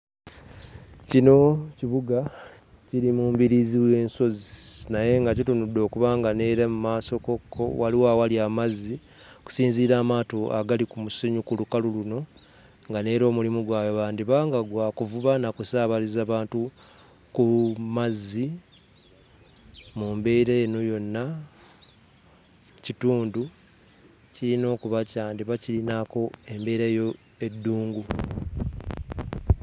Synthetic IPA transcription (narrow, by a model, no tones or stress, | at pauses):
cino̞ciβuɡa | ciɾimuːmbiɾiziwe̞ːnso̞zinaje̞ŋɡacitunudo̞ːkuβaːŋɡane̞ːɾamumaːsoko̞kʰːo̞̰waliwawaliamazːi | ku̥siːnziːɾaːmaːtoa̰ɡalikumusiɲukulukaluluno̞ | ŋɡane̞ːɾo̞ːmulimuɡwaːjoβaːndiβaːŋɡaɡwaːkuvuβanakusaːβalizaːβaːntu | kumazːi | mumbe̞iɾeːnojo̞nːa | cituːndu | ciɾino̞ːkuβacaːndiβacilinako̞e̞mbe̞ːɾajo̞ | e̞dːuːŋɡu